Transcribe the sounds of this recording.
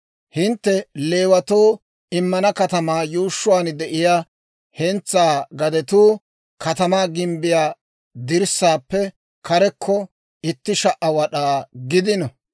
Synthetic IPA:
hɪnt̪ːɛle̞ːwɐt̪oː | ɪmːɐnɐkɐt̪ɐmaːjuːʃːʊwaːnd̪ɛʔɪjaː | hɛnt͡sːaːɡɐd̪ɛt̪uː | kɐt̪ɐmaːɡɪmbɪjaː | d̪ɪɾsːaːpːɛ | kɐɾɛkʰːɔ | ɪt̪ːɪʃɐʔːɐwɐɗaːɡɪd̪ɪnɐ

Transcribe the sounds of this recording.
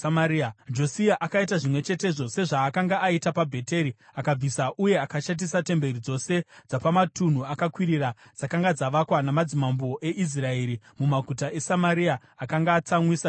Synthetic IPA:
ad͡ʒo̞siaʔakaitaʐimwe̞t͡ʃe̞te̞ʐo̞se̞ʐaːkaŋɡaʔaitapabʱe̞te̞ɾiakab͡visaʔuje̞akaʃat̬isate̞mbe̞ɾid͡zo̞se̞d͡zapamatun̤uakakwiɾirad͡zakaŋɡad͡zaʋakwanamad͡zimambo̞ʔe̞ʔis̬rae̞ɾi | mumakutaʔe̞samaɾiaːkaŋɡaːt͡samwisa

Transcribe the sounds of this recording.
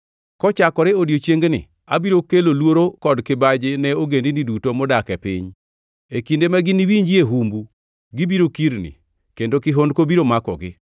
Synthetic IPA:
kɔt͡ʃakɔɾɛodjot͡ʃjeŋɡnɪ̰ | a̰biɾokelolwoɾokɔdkɪbad͡ʒɪnɛoɡendinidutomɔdakɛpɪ̰ɲ | ekindemaɡɪniwiɲd͡ʒieɦumbu | ɡɪbiɾokiɾnɪ̰ | kendokɪɦondkobiɾomakɔ̰ɡɪ̰

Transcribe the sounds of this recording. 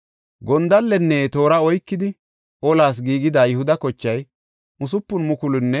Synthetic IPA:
ɡɔnd̪ɐlːɛnːeːt̪o̞ːɾɐɔjkːɪd̪ɪ | ʔɔlaːs̬ɡiːɡɪd̪aːjʊhʊd̪ɐkɔt͡ʃːɐj | ʊs̬ʊpːʊnmʊkʊlʊnːɛ

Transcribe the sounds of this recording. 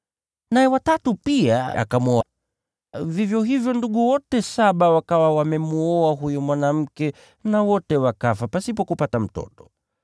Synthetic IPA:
najɛwatatupiaa̰kamuɔa | vivjɔɦivjɔnduɠuwɔtɛsaɓawakawawamɛmuɔaɦujumwanam̩kɛ | nawɔtɛwakafapasipɔkupatam̩tɔ̰tɔ̥

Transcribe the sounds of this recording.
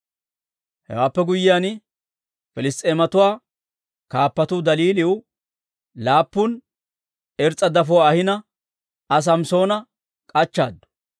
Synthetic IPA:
hɛ̰waːpːɛɡʊjːɪjaːn | fɪlɪst̪ʼeːmɐt̪ʊwaː | kaːpːɐt̪ʊd̪ɐliːlɪwʊ | laːpːʊn | ɛɾt͡sʼːɐd̪ɐfʊwaːhɪnɐ | ɐs̬ɐmso̞ːnɐ | kʼɐt͡ʃːa̰ːd̪ːʊ̥

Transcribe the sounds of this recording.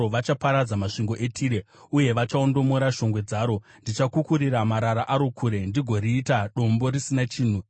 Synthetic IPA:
oʋat͡ʃapaɾad͡zamaʂiŋɡo̞ʔe̞tʰiːɾe̞ | uje̞ʋat͡ʃao̞ndo̞mo̞ɾaʃo̞ŋɡwe̞d͡zaːɾo̞ | ndit͡ʃakukuɾiɾamaɾaɾaʔaɾo̞kʰuɾe̞ndiɡʱo̞ɾiːtaɗo̞mbo̞ɾisinat͡ʃiːn̤u

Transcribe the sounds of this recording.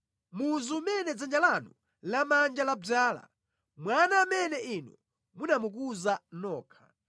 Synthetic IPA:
muzuːmɛnɛd͡zand͡ʒalanu | lamand͡ʒalab͡ʐaːla̰ | mwanaːmɛnɛʔinɔ | munamuk̬uzanɔːkʰḁ̰

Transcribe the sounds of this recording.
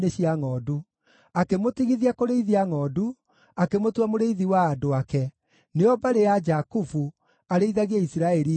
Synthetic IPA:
neɕiaŋɔːdu | akemotiɣiðiakoɾeiðiaŋɔːdu | akemotwamoɾeiðiwaːndoakɛ | neɔbaɾejad͡ʒakufu | aɾeiðaɣiaisiɾaɛɾi

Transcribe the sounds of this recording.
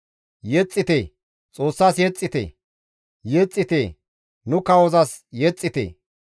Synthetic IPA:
jɛt͡sʼːɪt̪eː | t͡sʼo̞ːsːaːsjɛt͡sʼːɪt̪ḛː | jet͡sʼːɪt̪eː | nʊkɐwɔzɐsjɛt͡sʼːɪt̪ḛː

